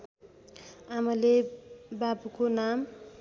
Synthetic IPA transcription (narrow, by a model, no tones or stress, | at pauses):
amʌlebabukonam